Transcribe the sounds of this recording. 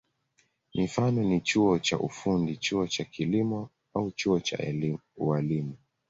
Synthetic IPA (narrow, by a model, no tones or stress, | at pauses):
mifanɔnit͡ʃuɔt͡ʃaʔufundit͡ʃuɔt͡ʃakʰilimɔ | aut͡ʃuɔt͡ʃa̰uwalimu